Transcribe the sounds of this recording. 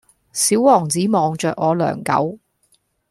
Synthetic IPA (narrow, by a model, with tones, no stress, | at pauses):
siː˨˥wwɔː˨˩ŋt͡siː˨˥mɔː˨˧ŋt͡ʃœː˨k̚ŋɔː˨˧lœ̰ː˨˩ŋkɐ̰˨˥w